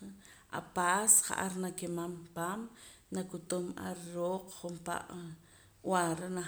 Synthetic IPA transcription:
ʔa̰pasχa̰ʔaɾnakemampaːm | nakut̪umʔa̰ɾɾoːqχumpa̰ʔ | waɾna

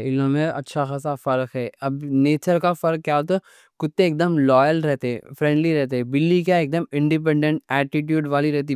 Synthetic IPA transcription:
ɪlõmẽɐ̰tːʃʰaxɐsafɐɾkɦɛːɐbneːt͡ʃəɾkafɐɾkkːjaːt̪o | kʊt̪ːẽeːk̚d̪əmlɔːjəlɾɛɦt̪eɛ̰̃fɾɛ̃ːɳɖliɾɛɦt̪eɦɛ̃bɪlːikaeːk̚d̪əmɪ̃ɳɖɪp̬ɛ̃ɳɖə̃ɳʈ̚ɛːʈɪʈjuːɖʋaːliɾɛɦt̪̬i

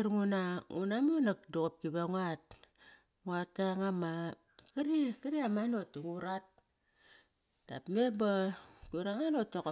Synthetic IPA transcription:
ɾŋunaṵnamonakdokop̚kiβaŋat̚ | ŋatːaŋama | kaɾikiɾiamanotːuŋuɾat̚ | d̥a̰pmebakuɾaŋanotːoko

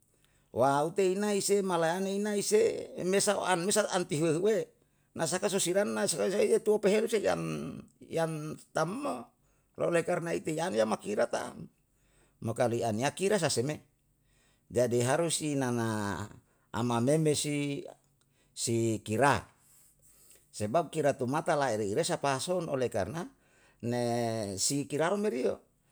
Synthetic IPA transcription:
waut̪einaisemalajaneinaisemesao̰anmesaant̪iɦueɦuwe | nas̬akasosiɾanːasakasait̪et̪uopeɦeluseja̰njant̪amːo | lo̰lekarnait̪ejanjamakiɾat̪a̰ | mokalianiakiɾas̬aseme | d͡ʒadiɦaɾusinana | a̰mamemesi | sikiɾa | sebab̚kiɾat̪umat̪alaeɾiiɾesapasono̰leka̰rna | nesikiɾaɾomeɾio

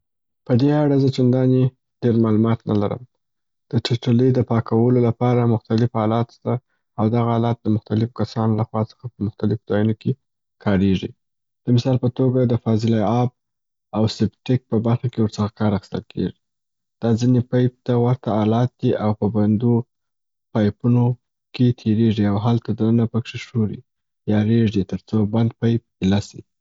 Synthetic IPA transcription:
pəd̪eaɽazət͡ʃand̪ɑne | ɖ̥eɾmɑlumɑt̪nala̰ɾə̰m | d̪̥əʈɪʈalid̪əpɑkawəlolapɑɾamʊxt̪alɪfhɑlɑt̪st̪a | awd̪aɣaɑlɑt̪̚d̪əmʊxt̪alɪfkasɑnlaxwɑt͡sə̥xapəmʊxt̪alɪfozɑjunoke | kʰɑɾeʐi | d̪̥əmɪsɑlpət̪oɡad̪əfɑzɪlajɑb̚ | awsɪbʈɪk̚pəbaɾxakewəɾt͡səxakɑɾaxɪ̥st̪əlkʰḛʐi | d̪̥ɑd͡zinepajp̚t̪awaɾt̪aːlɑt̪̚d̪̥iʔawpəband̪o | pɑjpuno | ket̪ʰeɾeʐiawɦalt̪ad̪ənənapəkʂeʂoɾi | jɑɾeʐit̪əɾt͡soband̪pajp̚ilasḭ

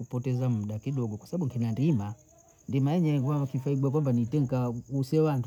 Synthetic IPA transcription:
upɔtɛzam̩ɗakiɗɔɡɔkwasaɓaɓuŋkinandima | ndimajɛɲɛɡwakifaiɡuakwambanitɛŋkausɛwant

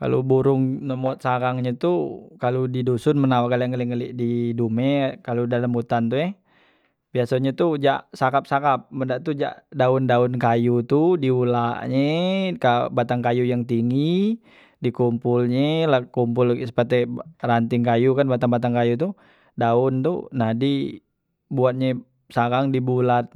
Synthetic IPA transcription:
ka̰lo̰buɾʊŋnəmɔt̪̚sakaŋɲet̪ukaludidosʊnmənawakaljaŋəliŋəliʔdidumɛkaludaləmut̪ant̪ujɛ | biasoɲɛt̪ud͡ʒaʔsakap̚sakap̚məndaʔt̪ud͡ʒa̰ʔdaʊndaʊnkajut̪udiulaʔɲekabat̪aŋkajujaŋt̪iŋi | dikumpulɲelakumpʊlsə̥pərt̪ɛrant̪ɪŋkajukanbat̪aŋbat̪aŋkajut̪̬u | daʊnt̪ṵnadi | buat̪̚ɲe | sakaŋdibulat̪̚

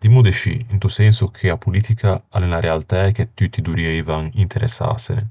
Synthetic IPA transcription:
d̪imud̪et͡ʃḭint̪usɛnsʊkʰeapːuliːt̪ikʰaalenaɾealt̪aɛket̪ːyt̪ːid̪uɾiɛːvaŋint̪ʰɛɾɛ̰sːa̰sene

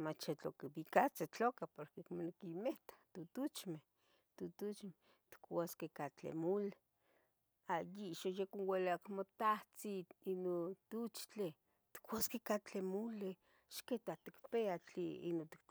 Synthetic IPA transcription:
mat͡ʃet͡ɬokeβikat͡set͡ɬokapoɾkekmonekimeht̪ḁt̪ut̪ut͡ʃmeh | t̪ut̪ut͡ʃme | t̪i̥kwaskekat͡ɬḛmule | ajiʃojekonwelakmot̪aht͡siinot̪ut͡ʃt͡ɬe | t̪i̥kwaskekat͡ɬemule | ʃket̪at̪ikpeat͡ɬiḭnot̪i̥k

